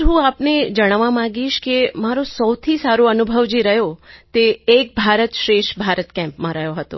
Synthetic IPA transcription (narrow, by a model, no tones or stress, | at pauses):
ɦũapned͡ʒəɽ̃aʋamãɡiʃkemaɾosəwt̪ʰisaɾoənubʱəʋd͡ʒiɾəɦjot̪eːk̚bʱaɾət̪ʃɾeʃbʱaɾət̪kɛ̃mpmãɾəɦjoɦət̪o̰